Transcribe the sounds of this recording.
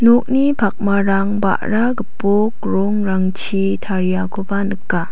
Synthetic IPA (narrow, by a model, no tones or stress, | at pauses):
nok̚nipʰak̚maɾaŋba̰ʔɾaɡɯpok̚ɾoŋɾaŋt͡ʃʰi | tʰaɾijakʰobanɯkːa